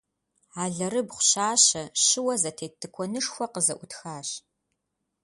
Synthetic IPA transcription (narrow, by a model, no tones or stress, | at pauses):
aːɮɐrɨbχʷʊɕaːɕɐɕɨwɐzɐtʰeːtʰːɨkʷʰɔnɨʂxʷɔqəzɐʔʷʊtxaːɕ